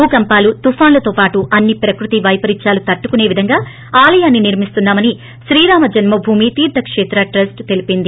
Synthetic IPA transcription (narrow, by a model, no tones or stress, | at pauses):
uːkɐmpaːlut̪ufaːnlɐt̪oːpaːʈuʔɐnːipɾɐkɾut̪iʋɐjpɐɾiɲt͡ʃaːlut̪ɐʈːukune̞ːʋid̪ʱɐŋɡaː | aːlɐjaːnːiniɾmist̪unːaːmɐni | ʃɾiːɾaːmɐd͡ʒɐnmɐbʱuːmit̪iːɾd̪ʱɐkʂeːt̪ɾɐʈɾɐsʈt̪e̞lipind̪i